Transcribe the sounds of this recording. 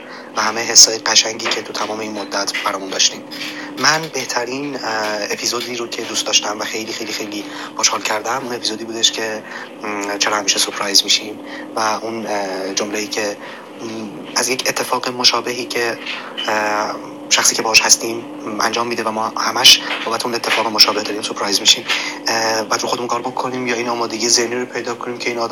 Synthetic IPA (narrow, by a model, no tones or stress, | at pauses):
væhæmeɦesːɒjeɢæʃæŋɟiːcʰe̞t̪ʰut̪ʰæmɒːme̞inmod̪ːæt̪ʰb̥æɾɒːmund̪ɒːʃt̪iːmmænbe̞ht̪ʰæɾiːnepʰizod̪iːɾocʰe̞d̪ust̪d̪ɒːʃt̪æmvæxe̞jliːxejliːxe̞jliːpʰoʃhɒːlcʰæɾd̪æmune̞pʰizod̪iːbuːd̪e̞ʃcʰe̞ | t͡ʃʰeɾɒːhæmiːʃesoɾpʰɾɒjzmiːʃiːm | væʔund͡ʒomleiːcʰe̞ | æzjecʰet̪ʰːe̞fɒːɣemo̞ʃɒːbeɦiːcʰe̞ | ʃæxsiːcʰʲeɒːɒʃhæst̪iːm | æ̰nd͡ʒɒːmːiːd̪evæmɒːhæmæʃboːbæt̪ʰeunet̪ʰːe̞fɒːɣemoʃɒːbe̞hd̪ɒːd̪iːmsopʰɾɑjzmiʃiːm | bæːd̪ɾoxod̪eunkʰɒːɾbokʰːo̞niːmjɒːiːnɒːmɒːd̪eɟijezehniɾopʰe̞jd̪ɒːkʰoniːmcʰeiːnɒːd̪